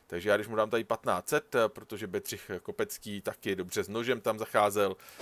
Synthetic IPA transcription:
t̪aɡʒɛjaːɡdɪʃmudaːmt̪aɾipat̪na̰ːt͡sɛt̪pɾot̪o̞ʒɛbɛd̪r̝̥ɪxko̞pɛt͡skiːt̪akɪdo̞br̝ɛznoʒɛmt̪amzaxaːzɛl

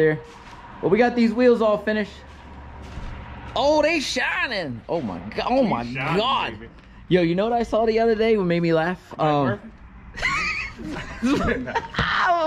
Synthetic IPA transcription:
ə˞ | wʌlˠwiɡɑt̪̚ðizwilˠzɔlˠfɪ̃ñɨʃt | oʊðeɪʃãɪ̃nɪ̃ŋʔoʊma̰ɪɡʔoʊmaɪɑd̥ | jojɨnoʊwʌɾaɪsɔðiʌðə˞deɪwmeɪd̚milæfʌ̃m

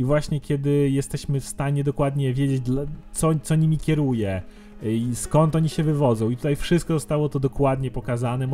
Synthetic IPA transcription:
ivwaɕɲɛkʲjɛd̪ɘjɛst̪ɛɕmɘfst̪aɲɛd̪ɔkwad̪ɲɛvʲjed͡ʑed͡ʑd̪lat̪sɔt̪sɔɲimʲikʲɛɾujɛ | iskɔnt̪ɔɲiɕɛvɘvɔd̪zɔ̃w̃it̪ut̪ajfʂɘst̪kɔzɔst̪awɔt̪ɔd̪ɔkwad̪ɲɛpɔkazanɛm

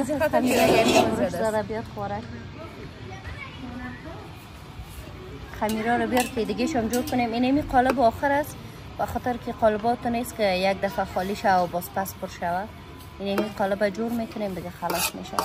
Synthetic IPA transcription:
xamiɾɔaʊɾuʃzad̪abijɔt̪χɔɾak | xamiɾɔɾabijɔɾkɪid̪ɪɡeʃɔmd͡ʒoɾkʊneminamiqɔlɪbɔxɪɾas | baxɔt̪ɪɾkiqɔlɪbɔt̪ɔneskɪjaɡ̚d̪afaxɔliʃawaabɔspaspʊɾʃawa | inamiqɔlɪbad͡ʒoɾmekʊnemd̪ɪɡaxalɔsmḛʃa̰

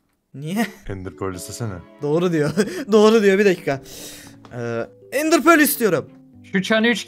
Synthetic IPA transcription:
nijɛind̪iɾpʰølʲisisenɛ̰d̪o̞ːɾud̪ijod̪o̞ːɾud̪ijo̞bid̪ecʰiːkʰa | ɛː | ind̪iɾpøɾlʲist̪ʰijo̞ɾum | ʃut͡ʃʰanyt͡ʃ

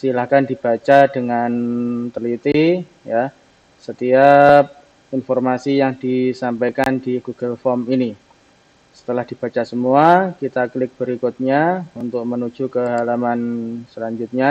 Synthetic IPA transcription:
silahkandib̥at͡ʃadəŋant̪əlit̪i | ja | sət̪iap̚ | infɔrmasijaŋdisampajkandiɡuɡ̥əlfɔmini | sə̥t̪əlahd̥i̤b̥at͡ʃasəmuakit̪aklɪk̚b̥əɾikʊt̪̚ɲaunt̪ʊk̚mənud͡ʒukəɦalamansəlaɲd͡ʒut̪̚ɲa

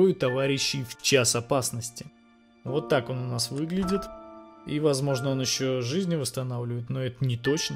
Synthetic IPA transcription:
ʊjʊt̪ɐvaɾʲɪɕːɪjft͡ɕasɐpasnəsʲtʲɪ | vo̞t̪ːako̞nʊnasvɨɡlʲɪdʲɪt̪ivɐzmo̞ʐnəo̞njɪɕːo̞ʐɨzʲnʲɪvəst̪ɐnavlʲɪvəjɪt̪noɛt̪ənʲɪt̪o̞t͡ɕnə

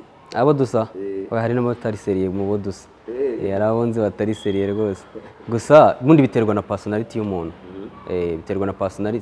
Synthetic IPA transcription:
a̰βodusaaahaɾinamaβutaɾiseɾijemuβodusḁeaɾaβaβoːnziβataɾiseɾijeɾɡo̞ːse̥ɡusaβuːndiβiteɾɡwanapasonaɾitijomoːnoeβiteɾɡwanapasonaɾit

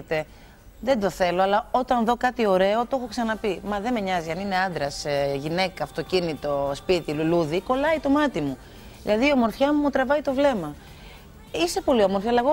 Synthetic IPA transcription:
et̪e̞ | ðend̪o̞θe̞lo̞ɐlɐo̞t̪ɐnðo̞kɐt̪io̞ɾe̞o̞t̪o̞xo̞ksɐnɐpimɐðe̞meɲɐziɐnine̞ɐnd̪ɾɐseʝine̞kɐːft̪o̞cinit̪ospit̪iluluðiko̞lɐit̪o̞mɐt̪imu | ðḭlɐðiːɐmo̞ɾfçɐmumut̪ɾɐvɐit̪o̞vle̞mɐ | ise̞po̞lioɐmoɾfçaɐlɐeɣo

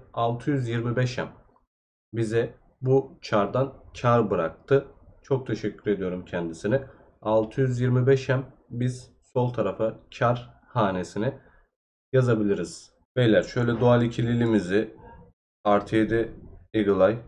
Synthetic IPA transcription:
alˠt̪ʰɯjyzjiɾmibɛʃæ̰m | bizɛ | but͡ʃʰaɾd̪ant͡ʃʰaɾbɯɾa̰k̚t̪ʰɯt͡ʃʰo̞k̚t̪ʰe̞ʃɛcʰːyɾe̞d̪ijo̞ɾumcʰɛnd̪isinɛ | alˠt̪ʰɯjyzjiɾmibɛʃæm | biz̥ | so̞lˠt̪ʰaɾafɯt͡ʃʰaɾ | haːne̞sinɛ | jazabilʲiɾiz̥ | vejlʲæɾʃø̞jlʲɛd̪oalʲˠicʰilʲilʲimizɪ | aɾt̪ʰid̪ɪeɡɯlˠaj

